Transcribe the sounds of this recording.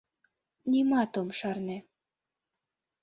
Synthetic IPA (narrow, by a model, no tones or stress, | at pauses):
nʲimɑt̪omʃɑrne